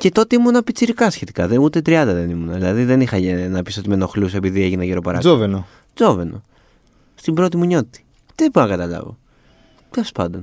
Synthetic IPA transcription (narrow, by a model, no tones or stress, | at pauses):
ce̞t̪o̞t̪eimunɐpit͡siɾikɐsçe̞t̪i̥kɐðeut̪e̞t̪ɾiɐnd̪ɐðe̞nimunɐðilɐðiðe̞nixɐnɐpiso̞t̪imeno̞xluse̞piðie̞ʝinɐʝeɾo̞pɐɾɐzoveno | zo̞ve̞no̰ | st̪imbɾo̞t̪imuɲo̞t̪it̪i̥ | t̪ebunɐkɐt̪ɐlɐ̰vo̞̰ | t̪elospɐnd̪o̞n